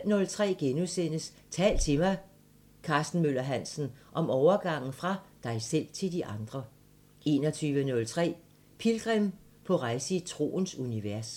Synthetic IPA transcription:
nɔ̽lt͡sʰʁɛ̰ːɡ̥enusen̰əs | t͡sʰɛ̰ːl̥t͡sʰe̝mɑ̈ɪ | kʰɑ̈ːsd̥n̩møl̰ɐɦæn̰sn̩ʔɒ̽mɒʊɐɡ̥ɑ̈ŋ̰n̩fʁɑ̈d̥ɑ̈ɪsel̰t͡sʰe̝ld̥iʔɑ̈nd̥ʁɐ | e̝̰ːnɒ̽t͡sʰyːʋənɔ̽lt͡sʰʁɛ̰ː | pʰilɡ̥ʁɛm | pʰɒ̽ʁɑ̈ɪsəit͡sʰʁo̝̰ːnsuniʋæɐs

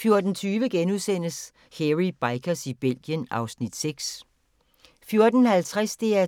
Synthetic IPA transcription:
fjo̝ɐd̥n̩t͡sʰyːʋəɡ̥enuðˠsen̰əs | heʁib̥ɑ̈ɪkʰɐsib̥el̰ɡ̥jənɑ̈ʊsnid̥seɡ̥s | fjo̝ɐd̥ən̩hælt͡sʰʁasd̥e̝æɐ

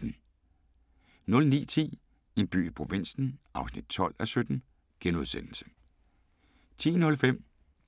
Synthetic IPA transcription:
n̩ | nɔ̽lnḭːt͡sʰḭː | e̝nb̥y̰ːipʰʁo̝ʋin̰sn̩ʔɑ̈ʊsnid̥̚t͡sʰɒ̽l̰æsød̥n̩ | ɡ̥enuðˠsen̰l̩sə̥ | t͡sʰḭːnɔ̽lfem̰

